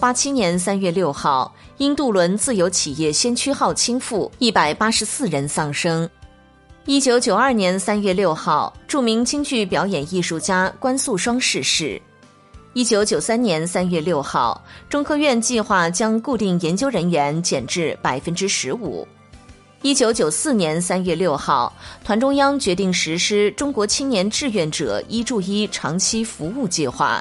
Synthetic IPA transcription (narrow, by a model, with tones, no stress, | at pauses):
pa˥t͡ɕʰi˥njɛ˧˥ns̬a˥nɥɛ˥˧ljo˥˧ʊxɑ˥˩ʊi˥nt̪u˥˩lwə˧˥nt͡sɹ̩˥˩jo˧˥ʊt͡ɕʰi˨˩jɛ˥˩ɕjɛ˥nt͡ɕʰy˥xɑ˥˩ʊt͡ɕʰi˥ŋfu˥˩i˥˩pa˨˩ɪpa˥ʂɻ̩˧˥sɹ̩˥˩ɻə˧˥nsɑ˥˩ŋʂɤ˥ŋ | i˥t͡ɕjo˧˥ʊt͡ɕjo˨˩ʊɐ˞˥˩njɛ˧˥nsa˥nɥɛ˥˧ljo˥˧ʊxɑ˥˩ʊʈ͡ʂu˥˩mi˧˥ŋt͡ɕʰi˥ŋt͡ɕy˥˩pjɑ˧˥ʊjɛ˨˩ni˥˧ʂu˥˩t͡ɕja˥kwa˥nsu˥˩ʂwɑ˥ŋʂɻ̩˥˧ʂɻ̩˥˩ | i˥t͡ɕjo˧˥ʊt͡ɕjo˨˩ʊsa˥nnjɛ˧˥nsa˥nɥɛ˥˧ljo˥˧ʊxɑ˥˩ʊʈ͡ʂʊ˥ŋkʰɤ˥˧ɥɛ˥˧nt͡ɕi˥˧xwa˥˩t͡ɕjɑ˥ŋku˥˧t̪i˥˩ŋjɛ˧˥nt͡ɕjo˥ʊɻə˧˥nɥɛ˧˥nt͡ɕjɛ˨˩nʈ͡ʂɻ̩˥˩pa˨˩ɪfə˥nʈ͡ʂɻ̩˥ʂɻ̩˧˥ṵ˨˩˦ | i˥t͡ɕjo˧˥ʊt͡ɕjo˨˩ʊsɹ̩˥˩njɛ˧˥nsa˥nɥɛ˥˧ljo˥˧ʊxɑ˥˩ʊt̪ʰwa˧˥nʈ͡ʂʊ˥ŋjɑ˥ŋt͡ɕɥɛ˧˥t̪i˥˩ŋʂɻ̩˧˥ʂɻ̩˥ʈ͡ʂʊ˥ŋkwɔ˧˥t͡ɕʰi˥njɛ˧˥nʈ͡ʂɻ̩˥˧ɥɛ˥˩nʈ͡ʂɤ̰˨˩i˥ʈ͡ʂu˥˧i˥ʈ͡ʂʰɑ˧˥ŋt͡ɕʰi˥fu˧˥u˥˧t͡ɕi˥˧xwa̰˥˩